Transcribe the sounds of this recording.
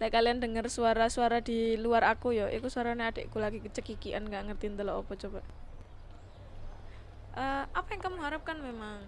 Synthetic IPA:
lajkaliandəŋərsuaɾasuaɾadiluaɾakujɔʔikusuaɾanead̥eʔkulaɡikət͡ʃəkikiʔanŋɡaʔŋərt̪int̪əlɔo̰bɔt͡ʃobaʔ | ʔəapajaŋkaməŋɦaɾəp̚kanmemaŋ

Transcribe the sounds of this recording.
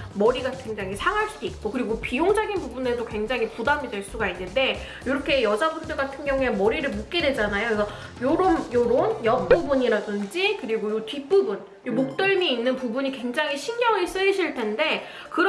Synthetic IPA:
mʌɾiɡakwe̞ŋd͡ʑaŋisʰaŋɦaɭs͈udoik̚k͈okɯɾiɡopijoŋd͡ʑaɡinpubune̞dokwe̞ŋd͡ʑaŋɦipudamidwe̞ɭs͈uɡainːɯnde̞ | joɾʌkʰe̞jʌd͡ʑabundɯɡatʰɯnɡjʌŋue̞mʌɾiɾɯɭmok̚k͈e̞dwe̞d͡ʑanajoɡʌ | joɾomjoɾonjʌp͈ubuɲiɾadɯnd͡ʑikɯɾiɡojokip͈ɯbun | jomok̚t͈ɯɭmiːnːɯnpubuɲikwe̞ŋd͡ʑaŋiɕʰinɡjʌŋis͈ɯɕʰiɭtʰe̞nde̞ | kɯɾ

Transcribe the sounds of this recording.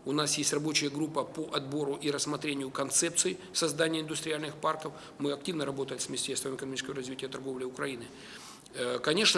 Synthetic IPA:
ʊnasjesʲtʲrɐbo̞t͡ɕɪjəɡɾupːəpoʔɐd̪bo̞ɾʊʔiɾəsmɐt̪ɾʲenʲɪjʊkɐnt̪sɛpt̪sɨɪsɐzd̪anʲɪjəɪnd̪ʊst̪ɾʲɪalʲnɨxparkəf | mɨɐk̚tʲivnəɾɐbo̞t̪əjɪt̪svmʲɪsʲtʲest̪vəmɪkənmʲit͡ɕɪskəvəɾɐzvʲitʲɪjət̪ɐrɡo̞vlʲɪʊkɾɐinɨ | kɐnʲe̞ʂnə

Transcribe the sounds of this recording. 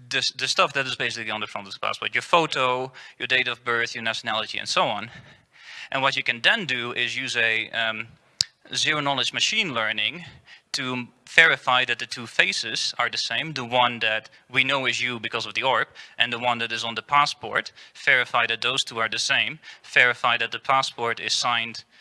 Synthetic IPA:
ðɨðɨstʌfðɨɾɨzbeɪsɪkliʌ̃ndə˞fɹʌ̃ndʌðə̥pʰæ̰spɔ̰ɹtjə˞foʊɾoʊjə˞deɪɾʌvbɜ˞θjə˞næʃɨnælˠɨɾiɨ̰̃nsoʊɑ̃n | ʔɨ̰̃nwʌt͡ʃɨkɨ̃nðɨ̃ndɨɪzjʉzɨ | zɪɹoʊnɔlˠɨd͡ʒmɨʃĩnlɜ˞nɪ̃ŋtʰɨv̥ɛɹɨfaɪðɨt̪̚ðɨtʰufeɪsɪz̥ə˞ðɨsẽɪ̃mðəwʌ̃nðɨt̚ | winoʊɨzjɨbɨkʰʌzʌvðiɔɹɨpʔɨ̃nðəwʌ̃nðɨɾɨzn̩ðəpʰæspɔ̰ɹtv̥ɛɹɨfaɪðɨt̪̚ðoʊz̥tʰuə˞ðɨsẽɪ̃mv̥ɛɹɨfaɪðɨt̪̚ðəpʰæspɔɹɾɪ̰z̥sãɪ̃nd̥

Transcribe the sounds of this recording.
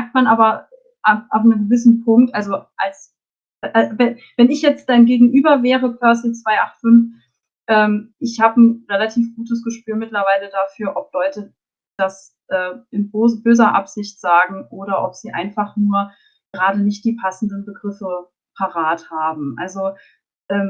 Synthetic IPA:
mɛɐk̚tmanʔaːbɐ | ʔaʔa̰ʊfnəmɡəvɪsn̩pʰʊŋk̚tʔalzoʔals | ʔavɛ | vɛnɪçjɛt͡std̥aɪmɡeːɡŋ̩ʔyːbɐvɛːʁəpʰœɐsɪt͡sv̥aɪʔaχtfʏnf | ʔɛːmʔɪçhaːbən̩ʁɛlatʰiːfɡ̥uːtəsɡ̥əʃpyːɐmɪtlɐvaɪlədafyːɐʔɔplɔʏtə | d̥as | ʔɛːʔɪnbzbøːzɐʔa̰pz̥ɪçtz̥aːɡŋ̩ʔoːɾɐʔɔpz̥iːʔa̰ɪnfaχnuːɐ | ɡ̥əʁaːdənɪçt̚d̥iːpʰasn̩dənbəɡʁɪfə | pʰaʁaːthaːbm̩ʔa̰lzo | ʔɛːm

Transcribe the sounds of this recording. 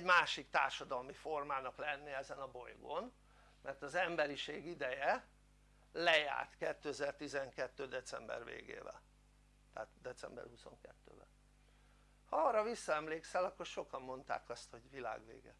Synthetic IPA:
ɛɟmaːʃikt̪a̰ːrʃɒd̪ɒlmifo̞rmaːnɒklɛnːiɛzɛnɒbo̞jɡon | mɛrt̪ɒzɛmbɛɾiʃeːɡid̪ɛjɛ | lɛja̰ːrt̪kɛt̪ːøɛzɛrt̪izɛŋkɛt̪ːøːd̪ɛt̪sɛmbɛ̰rvḛːɡḛːvɛ̰l | t̪ɛːt̪d̪ɛt̪sɛ̰mbɛ̰rhuso̞̰ŋkɛ̰t̪ːø̰ːbɛ̰ | hɒɒːrɒvisːɒɛmleːksɛlɒkːo̞rʃo̞kɒmːo̞nt̪a̰ːkɒst̪ho̞ɟvila̰ːɡʋḛːɡɛ

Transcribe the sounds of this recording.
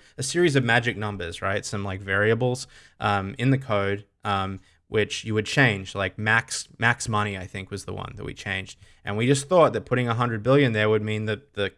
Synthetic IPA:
ɨsɪɹizʌvmæd͡ʒɨk̚nʌ̃mbə˞zɹaɪtsʌ̃mlaɪkvɛɹiɨbl̩ˠz̥ʔʌ̃mɨ̃nðɨkʰoʊd̚ | ʔʌ̃m | wʔɪt͡ʃjɨwɨd̚t͡ʃʰẽɪ̃nd͡ʒlaɪk̚mæksmæksmʌɾ̃iaɪθɪ̃ŋkwʌzðə̰wʌ̰̃nðɨ̰ʔ̚wḭt͡ʃʰẽɪ̃nd͡ʒd̥ | ʔɨ̃nwid͡ʒʌsθɔt̪̚ðɨt̚pʰʊɾɪ̃ŋəɦʌ̃ndɨd̚bɪlˠjɨ̃nðə˞wəd̚mĩnðɨðɨ

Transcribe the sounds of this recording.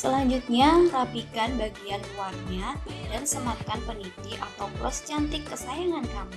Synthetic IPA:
səlaɲd͡ʒut̪̚ɲarapikanbaɡiankuarɲadansəmat̪̚kanpənit̪iʔa̰t̪awblɔ̰st͡ʃant̪ɪkːəsajaŋankamu

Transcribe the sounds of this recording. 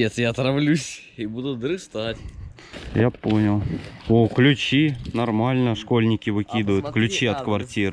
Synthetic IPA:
et̪jat̪ɾɐvlʲusʲ | ibud̪ʊd̪ɾɨst̪atʲ | japo̞nʲɪlˠoklʲʉt͡ɕinɐrmalʲnəʂkolʲnʲɪkʲɪvɨkʲid̪ʊjʊt̪klʲʉt͡ɕiɐt̪kvɐrtʲiɾ

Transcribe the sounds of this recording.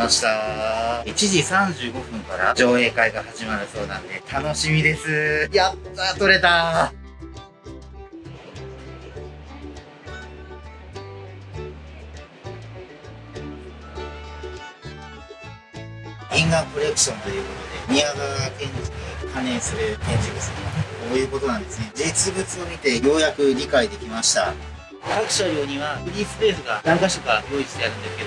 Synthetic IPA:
maɕi̥t̪a | it͡ɕiʑisãɲ̟d͡ʑɨːɡo̞ɸɯ̟̃ŋkaɾa̰d͡ʑo̞ːe̞ːkaiɡahaʑimaɾɯ̟so̞ːnãnd̪e̞t̪ʰano̞ɕimʲid̪e̞sɨjat̪ːat̪o̞ɾe̞t̪a | ĩŋɡakoɾe̞kːɯ̟̥ɕõ̞nt̪o̞jɯ̟ːko̞t̪o̞d̪e̞mʲiaɡaak̪ẽ̞ɲd͡ʑid̪ekʰane̞ːsɨɾek̪ẽ̞ɲ̟d͡ʑiɡɯsɨɾimakoːjɯ̟ːko̞t̪o̞nãnd̪e̞sɨne̞d͡ʑit͡sɨbɯt͡sɨo̞mʲit̪e̞jo̞ːjakɯ̟ɾʲikaid̪e̞kʲimaɕi̥t̪a | kakɯ̟̥ɕaɾʲjo̞ːɲ̟iβaɸɯ̟ɾʲiːsɨɾeːɸɯ̟ɡanãŋkaɕoɡajo̞ːit͡sɨ̥t̪eaɾɯ̟̃nd̪e̞sɨ̥ke̞d̪o

